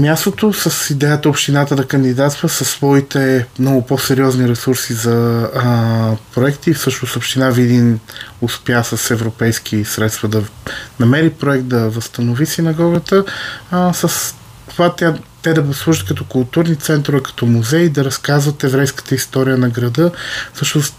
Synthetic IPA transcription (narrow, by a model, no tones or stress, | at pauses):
mʲjast̪ot̪osəsid̪ɛjət̪əopʃt̪inat̪əd̪ɐkənd̪id̪at̪st̪vəsəsːvɔit̪ɛmnɔɡʊpɔsɛɾiɔzniɾɛsuɾsizɐ | pɾoɛkt̪iːfsɤʃnosopʃt̪inavid̪inʊspjasəsɛvɾopɛjsk̟ʰisɾɛt̪st̪vəd̪ɐnɐmɛɾipɾoɛk̚t̪̚d̪ɐvəst̪ənovisinɐɡɔɡət̪ə | səs | ovat̪at̪ɛd̪ɐvoslˠuʒət̪̚kɐt̪ɔkʊlˠt̪uɾnit̪sɛnt̪ɾovɛkɐ̥t̪ɔmuzɛjid̪ɐɾɐskazvət̪ɛvɾɛjskə̥t̪əist̪ɔɾijənɐɡɾɐd̪ɤfsɤʃnʊst̪